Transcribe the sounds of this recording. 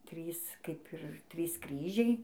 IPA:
ˈtʲrʲiːs ˈkɐɪp ɪr ˈtʲrʲiːs ˈkrʲiːʒʲɛɪ

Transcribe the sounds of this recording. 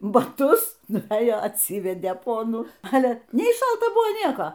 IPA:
bɐˈtʊs nʊʋʲˈeːjoː ɐtʲˈsʲiːʋʲɛdʲeː ˈpoːnuː ˈɑːlʲɛ ˈnʲɛɪ ˈʃɐlˠtɐ ˈbʊʋoː ˈnʲiɛkoː

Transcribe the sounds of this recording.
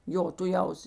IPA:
ˈjoː tʊˈjɛʊs

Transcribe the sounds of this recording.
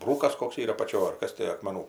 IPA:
ˈbruːkɐs ˈkoːks ˈiːrɐ ɐpɐˈt͡ʃʲoːj ɐr ˈkɐs tʲɪ ɐkmʲɛˈnuː

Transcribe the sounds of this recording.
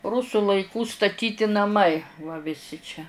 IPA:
ˈrʊsʊ lˠɐɪˈkuː stɐˈtʲiːtʲɪ nɐˈmɐɪ ʋɐ ʋʲɪˈsʲɪ t͡ʃʲɛ

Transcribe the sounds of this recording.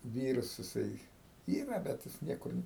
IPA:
ˈʋʲiːrɐs jɪˈsɐɪ ˈiːrɐ bʲɛt ˈjɪs ˈnʲiɛkʊr

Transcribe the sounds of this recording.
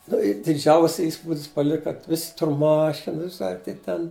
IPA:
ˈnʊ ɪr dʲɪˈd͡ʒʲɛʊsʲɛ ˈiːspuːdʲɪs pɐˈlʲɪkɐ ˈʋʲɪsʲɪ ˈtʊr ˈmɑːʃʲɪnɐs ɐr tɐɪ ˈtʲɛn

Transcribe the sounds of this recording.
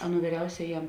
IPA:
ˈɑːˌnuː ʋʲiːˈrʲɛʊsʲɛjɛm

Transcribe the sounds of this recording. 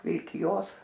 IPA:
ʋʲɪlʲkʲɪˈjoːs

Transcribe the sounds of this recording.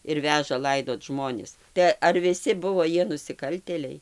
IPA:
ɪr ˈʋʲæːʒɐ ˈlˠɐɪdoːt ˈʒmoːnʲɪs tɐɪ ɐr ʋʲɪˈsʲɪ ˈbʊʋoː ˈjiɛ nʊsʲɪˈkɐlʲtʲeːlʲɛɪ

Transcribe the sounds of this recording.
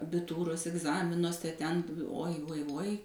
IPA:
ɐbʲɪˈtuːroːs ɪɡˈzɑːmʲɪnuɔsʲɛ ˈtʲɛn uɔj uɔj uɔj

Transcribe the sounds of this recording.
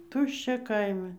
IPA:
ˈtʊʃʲt͡ʃʲɛ ˈkɐɪmʲɛ

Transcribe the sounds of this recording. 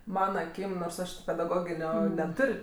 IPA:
ˈmɑːnɐ ɐˈkʲiːm noːrs ˈɐʃ tʲɪ pʲɛdɐˈɡoːɡʲɪnʲoː nʲɛˈtʊrʲ

